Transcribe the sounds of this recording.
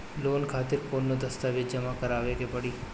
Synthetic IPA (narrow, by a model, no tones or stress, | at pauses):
loːnkʰaːt̪ɪɾkoːnːod̪ɐst̪aʋɪt̪d͡ʒɐmakɐɾaːʋekepɐɽiː